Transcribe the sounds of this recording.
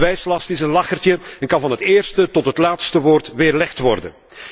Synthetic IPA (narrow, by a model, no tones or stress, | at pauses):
ʋɛjslɑstɪsənlɑxərtəɛnkɑnvɑnɦətɪːrstətɔtɦətlaːtstəʋoːrtʋeːrlɛxtʋɔrdə̰n